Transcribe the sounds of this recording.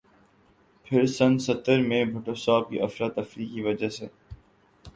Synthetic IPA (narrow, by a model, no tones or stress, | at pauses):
pʰɪɾsɐ̃nsɐt̪ːəɾmẽbʱʊʈosaːb̚kḭʔɐfɾat̪ɐfɾiːkːiʋɐd͡ʒəseː